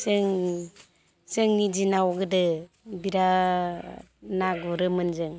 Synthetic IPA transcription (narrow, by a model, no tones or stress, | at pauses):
sɯŋ | sɯŋnid͡ʒinawɡɯdɯ | biɾa | naɡuɾɯmɯnzɯŋ